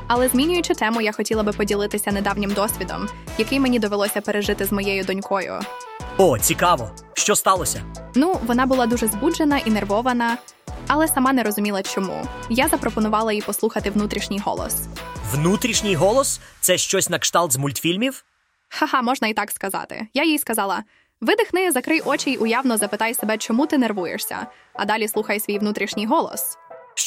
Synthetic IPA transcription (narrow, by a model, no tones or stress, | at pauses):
ɐlˠɛzʲmʲinʲʊjʊt͡ʃɪt̪ɛmʊjaxɔtʲilˠɐbɪpɔdʲilˠɪt̪ɪsʲɐned̪ɑwnʲɪmd̪ɔsʲʋʲid̪ɔ̰mjɐkɪjmenʲid̪ɔʋelˠɔsʲɐpeɾeʒɪt̪ɪzmɔjɛjʊd̪ɔnʲkɔjʊ̰ | ɔt͡sʲikɑʋɔ̰ | ʃt͡ʃɔst̪ɑlˠɔsʲɐ̰nuʋɔnɑbʊlˠɑd̪uʐɛzbud͡ʒenɐʔinerʋɔʋɐnɐ | ɐlˠɛsɐmɑnɛɾɔzʊmʲilˠɐt͡ʃɔmṵjazɐpɾɔpɔnʊʋɑlˠɐipɔslˠuxɐt̪ɪʋnut̪ɾʲiʃnʲijɦɔ̰lˠɔ̰swnut̪ɾʲiʃnʲɪjɦɔlˠɔst̪sɛʃt͡ʃɔsʲnɐkʃt̪ɑlˠt̪zmulʲt̪fʲilʲmʲiw | xɐɦɑmɔʒnɐit̪ɑkskɐzɑ̰t̪ɪ̰jajijskɐzɑlˠɐ | ʋɪd̪ɪxnɪjɛzɐkɾɪjʔɔt͡ʃijʔʊjɑwnɔzɐpɪt̪ɑjsebɛt͡ʃɔmut̪ɪnerʋujḛʂsʲɐ̰ | ɐ̰d̪ɑlʲisˠuxɐjsʲʋʲijʋnut̪ɾʲiʃnʲijɦɔlˠɔ̰s